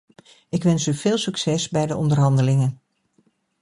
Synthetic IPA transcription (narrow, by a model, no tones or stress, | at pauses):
ʔɪkʋɛnsyv̥ɪːlˠsɵksɛsbɛjdəʔɔndərɦɑndəlɪŋən